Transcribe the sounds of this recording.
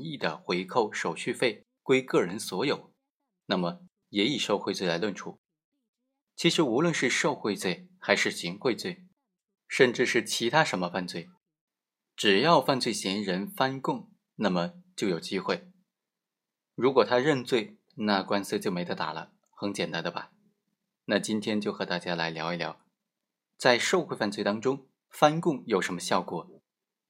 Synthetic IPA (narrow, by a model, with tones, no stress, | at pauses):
i˥˩d̪ə˩xwe˧˥ɪkʰo˥˩ʊʂo˨˩ʊɕy˥˧fe˥˩ɪ | kwe˥ɪkɤ˥˩ɻə˧˥nswɔ˧˥jo˨˩˦ʊ | na˥˩mə˩ | jɛ˧˥i˨˩ʂo˥˧ʊxwt͡swe˥˩ɪla˧˥ɪlwə˥˩nʈ͡ʂʰu˥ | t͡ɕʰi˧˥ʂɻ̩˧˥u˧˥lwə˥˧nʂɻ̩˥˧ʂo˥˧ʊxwe˥˧ɪt͡swe˥˩ɪxa˧˥ɪʂɻ̩˥˩ɕi˧˥ŋxwe˥˧ɪt͡swe˥˩ɪ | ʂə˥˧nʈ͡ʂɻ̩˥˧ʂɻ̩˥˩t͡ɕʰi˧˥t̪ʰa˥ʂə˧˥nmə˧fa˥˧nt͡swe˥˩ɪ | ʈ͡ʂɻ̩˨˩jɑ˥˧ʊfa˥˧nt͡swe˥˩ɪɕi˧˥nɻə˧˥nfa˥nkʊ˥˩ŋ | na˥˩mə˩t͡ɕjo˥˩ʊjo˨˩ʊt͡ɕi˥xwe˥˩ɪ | ɻu˧˥kwɔ˨˩t̪ʰa˥ɻə˥˧nt͡swe˥˩˧ɪ | na˥˩kwa˥ns̩˥t͡ɕjo˥˩ʊme˧˥ɪt̪ə˧˥t̪a̰˨˩lə̰˦ | xə˧˥ŋt͡ɕjɛ˨˩nt̪a˥nd̪ə˧bɐ̰˨˩ | na˥˩t͡ɕi˥nt̪ʰjɛ˥nt͡ɕjo˥˩ʊxɤ˧˥t̪a˥˩t͡ɕja˥la˧˥ɪljɑ̰˧˥ʊi˧˥ljɑ̰˧˥ʊ | t͡sa˥˧ɪʂo˥˧ʊxwe˥˧ɪfa˥˧nt͡swe˥˩ɪt̪ɑ˥ŋʈ͡ʂʊ˥ŋ | fa˥nkʊ˥˩ŋjo˨˩ʊʂə˧˥nmə˧ɕjɑ˥˧ʊkwɔ̰˨˩˦